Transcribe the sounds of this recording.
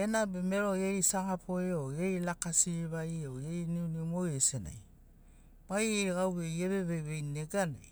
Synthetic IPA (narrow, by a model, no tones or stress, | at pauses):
enabeme̞ɾo̞jejsaɡapʰoeojejlakasiβajowejniunimojesena̰j | b̥ajejɡawβejeβeβejβejneɡanaj